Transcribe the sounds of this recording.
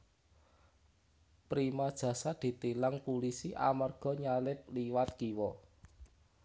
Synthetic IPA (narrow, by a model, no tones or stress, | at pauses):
pɾimad̥ʒ̥ä̤sad̪̥e̤t̪ilaŋpulisiʔa̰marɡ̥ɔ̤ɲalɪp̚liwat̪̚kiwɔ